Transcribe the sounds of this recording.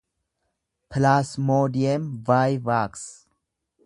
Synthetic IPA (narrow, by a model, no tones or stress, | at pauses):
pʰlaːsmoːdijɐmvaːjvaːks